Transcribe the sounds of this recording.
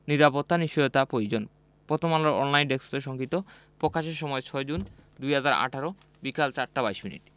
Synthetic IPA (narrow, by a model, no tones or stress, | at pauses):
niɾapot̪ːaniʃiot̪apɾojod͡ʑon | pot̪ʰomaloɾɔ̰nlajnɖeksɾeʃɔŋkit̪o | pɾokaʃeɾʃɔmɔet͡ɕʰɔed͡ʑund̪ujɦad͡ʑaɾa̰ʈʰaɾo | bikalt͡ɕaɾʈabajʃminḭʈ